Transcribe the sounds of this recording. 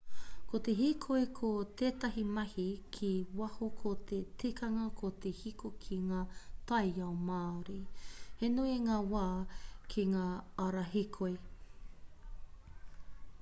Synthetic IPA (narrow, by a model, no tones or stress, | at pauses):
kot̪eɦikʰojkʰot̪eːt̪ɐɦimɐhikʰiwɐhokʰot̪ʰetikɐŋɐkʰot̪ehikokʰiŋaːtɐjɐomaːɾihenuiŋaːwaːkʰiŋaːɐɾaɦikʰoj